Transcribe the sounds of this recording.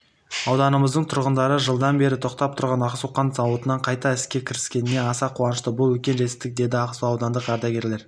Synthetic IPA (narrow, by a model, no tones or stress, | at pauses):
ɑwd̪ɑnəməzd̪əɴt̪ʰʊɾʁənd̪ɑɾəʒəlˠd̪ɑnbe̞ɾɪt̪ʰo̞qt̪ɑp̚t̪ʰʊɾʁɑnɑqsuqɑnsɑwət̪ənɑɴqʰɑjt̪ɑɪskʲe̞kʲʰɪɾɪskʲe̞nɪne̞ɑsɑqʰuɑnəʃt̪əbʊlˠwɵkʲe̞nʒe̞t̪ɪ̥p̚t̪ɪk̚d̪e̞d̪ɪɑqsuɑwd̪ɑnd̪əqɑɾd̪ɑɡʲe̞ɾle̞ɾ